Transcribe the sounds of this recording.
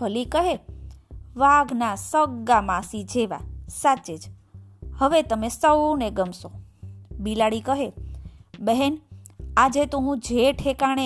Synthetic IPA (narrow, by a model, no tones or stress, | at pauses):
fəlikəɦe | ʋaɡnasəɡamãsid͡ʒeʋa̰sat͡ʃed͡ʒ | həʋet̪əmesəwneɡəmsobilaɽikəɦe | bəɦenad͡ʒet̪oɦũd͡ʒʱeʈʰekaɽ̃e